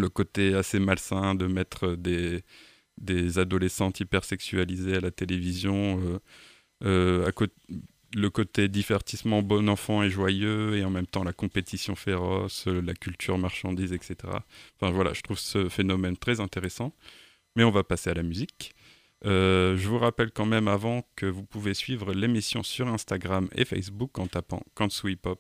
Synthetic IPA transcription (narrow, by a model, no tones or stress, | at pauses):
ləkot̪easemalsɛ̃d̪əmɛt̪χəd̪e | d̪ezad̪ɔlesɑ̃t̪ipɛʁsɛksyalizealat̪elevizjɔ̃ø | øa̰ko | ləkot̪ed̪ivɛʁt̪ismɑ̃bɔnɑ̃fɑ̃ɛʒwajøeɑ̃mɛmt̪ɑ̃lakɔ̃pet̪isjɔ̰̃feʁɔslakʲylt̪ʰyʁmaʁʃɑ̃d̪izɛkset̪eʁa̰ɑ̃fɛ̃vwala̰ʒət̪χuvsəfenɔmɛnt̪χɛzɛ̃t̪eʁesɑ̃ | mɛɔ̃vapasealamyzik | øʒəvuʁapɛlkɑ̃mɛmavɑ̃kəvupuvesɥivʁəlemisjɔ̰̃syʁɛ̃st̪aɡʁamḛfɛ̰js̬bukːɑ̃t̪apɑ̰̃kɑ̃swipɔp̚